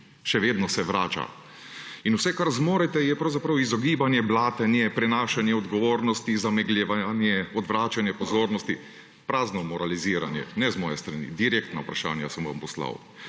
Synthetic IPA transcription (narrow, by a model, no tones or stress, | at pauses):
ʃɛʋeːd̪nɔsɛʋɾaːt͡ʃa̰ | inuwsɛkaɾzmoːɾɛt̪ɛjɛpɾawzapɾɐwizɔɡiːbanjɛblaːt̪ɛnjɛpɾɛnaːʃanjɛɔd̪ɡɔʋoːɾnɔst̪izamɛɡlʲɛʋaanjɛɔd̪ʋɾaːt͡ʃanjɛpɔzoːɾnɔst̪i | pɾaːznɔmɔɾaliziːɾa̰njɛ̰nɛzmɔːjɛst̪ɾanḭd̪iɾeːk̚t̪naupɾaʃa̰ːnjasɛmʋa̰mpɔsla̰w